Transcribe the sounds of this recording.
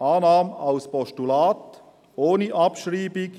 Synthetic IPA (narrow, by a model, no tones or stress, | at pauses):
ɑːnɑːmaʊspɔʃtulaːt | ʔoːniʔɑpʃriːbɪɡ